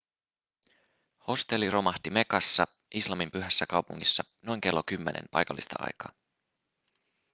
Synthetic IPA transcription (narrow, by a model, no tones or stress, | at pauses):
ho̞st̪e̞lːiro̞mɑht̪ime̞kɑsːɑ | ʔislɑmimpyɦæsːækɑwpuŋːisːɑno̞jŋke̞lːo̞kymːenʔḛmpɑ̰jkɑlːist̪ɑ̰ʔɑ̰jkɑ̰ː